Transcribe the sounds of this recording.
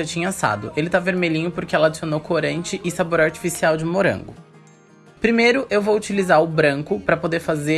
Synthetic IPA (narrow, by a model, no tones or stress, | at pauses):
at͡ʃĩɲɐasa̰d̪ʊ̰ʔelɪt̪aveɾmeʎĩɲʊpoɾkɪɛlɐad͡ʒisionowkoɾɐ̃nt͡ʃɪʔɪsaboɾaɾt͡ʃi̥fisiawd͡ʒɪmoɾɐ̰̃ŋɡʊ̰ | pɾimejɾʊʔewvowut͡ʃilizaɾʊbɾɐ̃ŋkʊpɾɐpod̪eɾfaze